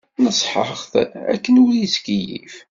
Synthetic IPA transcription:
nəsˤħə̰χθæ̰kːənwjəskijḭf

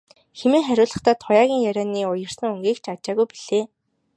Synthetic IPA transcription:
xemeːŋχæɾʲʊːɮə̆χt̪aːt̪ʰʊjaːɣʲiːŋjæɾʲaːniːʊjə̆r̥sə̆ŋɵŋɡiːkt͡ɕʰat͡ɕaːɣujpiɮ̥eː

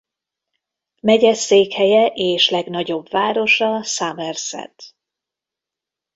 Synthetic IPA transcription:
mɛɟɛseːkhɛjɛʔeːʃlɛɡn̪ɒɟo̞bvaːɾo̞ʃɒsaːmɛrsɛ̰t̪

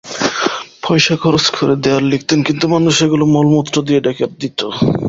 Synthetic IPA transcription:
pʰɔjʃakʰɔɾoskʰoɾed̪eaɾlik̚t̪enkint̪umanuʃeɡulomɔlmut̪ːɾod̪ieɖɛkʰeɾd̪it̪o

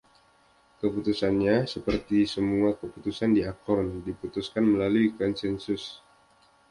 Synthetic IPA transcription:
kəput̪usanɲasəpərt̪isəmuakəput̪usandiakɔrndiput̪uskanməlaluikɔnsɛnsʊs

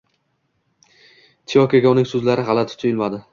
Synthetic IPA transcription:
t̪ʰijɒkʲaɡʲɒnɪŋsɵzlaɾɪʁɑlat̪ʰʊ̥t̪ʰʊjɪlmad̪ɪ

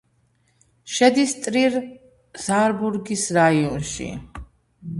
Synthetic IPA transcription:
ʃɛd̪ist̪ʼɾiɾ | z̥aɾbuɾɡisɾaiɔnʃḭ

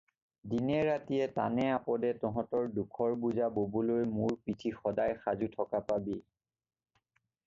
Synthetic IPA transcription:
dinɛɹatijɛta̰nɛapɔdɛtɔɦɔ̃tɔɹdukʰɔɹbuzabobulojmuɹpitʰixɔdajxazutʰɔkapabi

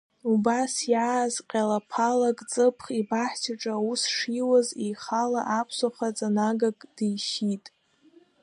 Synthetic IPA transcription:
ubasjaːzqʲʼalapʰalakʼt͡sʼɨpʰχibaħtʰaʈ͡ʂʼaːwusʂiwazejχalaʔapʰsoχat͡sʼanaɡakʼd̥ijʃitʼ

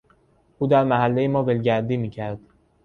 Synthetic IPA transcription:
ʔuːd̪æɾmæɦælːejemɒːvelɟæɾd̪iːmiːcʰæɾd̪̥

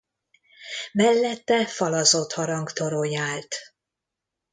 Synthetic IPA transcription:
mɛlːɛt̪ːɛfɒlɒzot̪hɒɾɒŋkt̪o̞ɾojaːlt̪

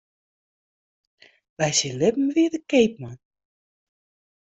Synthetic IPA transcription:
ʋɛjsilɪbm̩ʋiədəkejp̚man

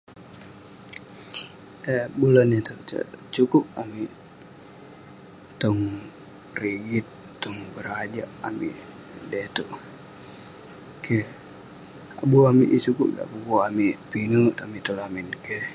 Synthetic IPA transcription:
ebulanit̪ut̪ə̰t͡ʃukʊp̚ami | t̪ɔŋ | riɡit̪̚ː | ɔŋbəɾad͡ʒaʔa̰mḭ | det̪uʔ | kʰe | abuamiʔt͡ʃukʊp̚da̰pukuamipinut̪amit̪ɔlaminke

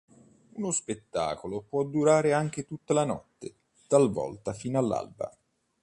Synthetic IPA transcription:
unospet̪ːa̰ːkolopwɔd̪ːuɾaːɾeaŋk̟et̪ut̪ːalanɔ̰t̪ːe | t̪alvɔ̰lt̪afiːnalːa̰lba̰

